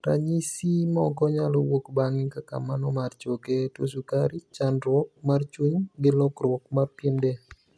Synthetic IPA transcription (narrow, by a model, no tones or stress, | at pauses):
ɾa̰ɲisimɔkɔɲalɔwokbaŋɪkaka̰manɔmart͡ʃoketosukaɾit͡ʃanɾwɔk̚mart͡ʃuɲɡɪlɔkɾwɔk̚marpjindɛ